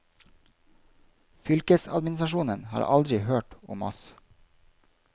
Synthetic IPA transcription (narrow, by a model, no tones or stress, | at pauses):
fʏlkəsɑ̰d̪mɪnsɾɑʃuːnənhɑ̰ːɾʔɑ̰ld̪ɾɪhøːʈʊ̰mɔ̰s